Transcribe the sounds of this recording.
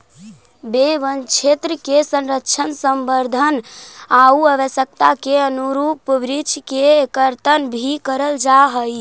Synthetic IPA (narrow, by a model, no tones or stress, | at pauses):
beʋənt͡ʃʰet̪ɾəkesə̃nɾəkt͡ʃʰənsəmbəɾd̪ʱənauəbəsjək̚t̪akeənuɾupbɾit͡ʃʰkekəɾt̪ənbʱikəɾəld͡ʒaɦəj